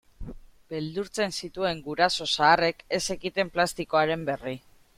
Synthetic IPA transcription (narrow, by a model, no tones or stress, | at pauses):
beld̪uɾt͡se̞nsit̪ue̞ŋɡuɾaso̞saːre̞ke̞se̞ɣit̪e̞mplast̪iko̞aɾe̞mbe̞ri